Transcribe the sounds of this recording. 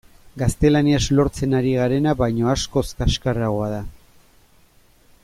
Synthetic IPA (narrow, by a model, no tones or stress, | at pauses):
ɡast̪e̞laniazlo̞ɾt͡se̞naɾiɣ̞aɾe̞naβajɲo̞asko̞skaʃkaraɣ̞o̞aða